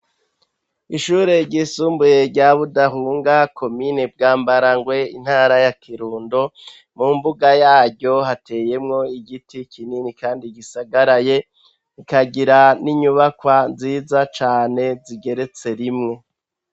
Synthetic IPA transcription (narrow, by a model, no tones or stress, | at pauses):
iʃuːɾeɾɟisuːmbuje̞ɾɟaβudaɦuːŋɡakʰo̞mineb̚ɡaːmbaɾaŋɡwe̞in̥haːɾajakʰiɾuːndo̞ | mumbuɡajaːɟɟo̞hatʰe̞je̞mŋo̞iɡitikʰininikaːndiɡisaɡaɾaje̞ | ikaɡiɾaniɲuβakwanziːzat͡ʃaːne̞ziɡe̞ɾe̞t͡se̞ɾimŋe̞